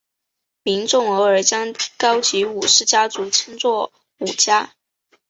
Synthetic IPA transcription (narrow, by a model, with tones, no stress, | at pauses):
mi˧˥ŋʈ͡ʂʊ˥˩ŋɤ˧˥ə˞˨˩t͡ɕjɑ˥ŋkɑ˥ʊt͡ɕi˧˥u˨˩ʂɻ̩˥˩t͡ɕja˥t͡su˧˥t͡ɕʰi˥nt͡swɔ˥˩ | u˨˩t͡ɕja˥